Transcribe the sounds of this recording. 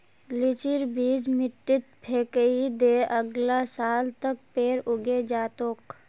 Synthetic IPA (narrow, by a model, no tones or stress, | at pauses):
lɪt͡ʃɪɾbʱiːd͡ʒmɪʈːɪt̪̚pʰeːkəid̪eːʔəɡlasaːlt̪ək̚peːɾʊɡed͡ʒaːt̪oːk